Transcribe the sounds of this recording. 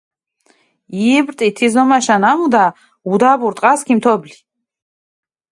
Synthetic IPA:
ibɾt̪ʼit̪ʰizɔmaʃanamud̪a | ud̪abuɾt̪ʼqʼaskʰimt̪ʰɔbli

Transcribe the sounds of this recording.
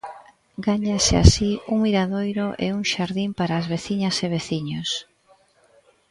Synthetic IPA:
ɡaɲasɪa̰siuŋmiɾaðojɾoʔḛuŋʃaɾðimpaɾaːzβeθiɲɐseβ̞eθiɲos

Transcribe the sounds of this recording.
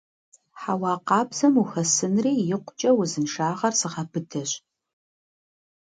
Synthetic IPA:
ħawɑːqɑːbz̥ɐmuxɐsɨnriːjɪqʷʊt͡ʃʼɐwʊzɨnʃaːʁɐrsɨʁɐpʰɨtʰɐɕ

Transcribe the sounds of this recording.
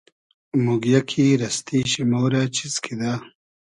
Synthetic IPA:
muɡjakʰiɾɐst̪iɕimoːɾat͡ʃʰizkʰid̪aː

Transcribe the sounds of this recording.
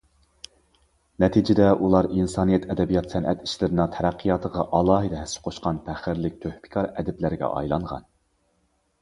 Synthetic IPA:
nɛt̪ʰid͡ʒɪd̪ɛʔulˠɑɾinsɑːnijɛt̪ʰɛd̪ɛbijɑt̪sɛnʔɛt̪ʰi̥ʃlɪɾɪnɪŋt̪ʰɛɾæqʰːijɑt̪ʰəʁɑʔɑlˠɑːɦɨd̪ɛɦæsːɪ̥qʰoʃqɑnpʰæχɪɾlɪk̚ʲt̪ʰøhpɪ̥kʲʰɑɾɛd̪ɪplæɾɡʲɛ̰ʔɑ̰jlˠɑɴʁɑ̰n

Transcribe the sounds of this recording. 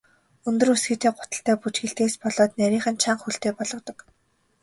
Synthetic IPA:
ɵnt̪ɵ̆rɵsɡɘ̆t̪eːɢʊt̪ə̆ɬt̪æːput͡ɕxĕɬt̪eːspɔɮɔːt̪næɾʲiːχə̆nt͡ɕʰaɴxuɬt̪eːpɔɮɞ̆t̪ɞ̆k

